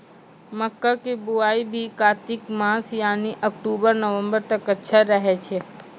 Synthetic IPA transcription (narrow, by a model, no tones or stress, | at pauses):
mɐkːakibʊaːibʱikaːt̪ɪkmaːsjaːniʔɐkʈuːbəɾnəʋə̃mbəɾt̪ɐkɐtːʃʰaɾɐɦɛt͡ʃʰe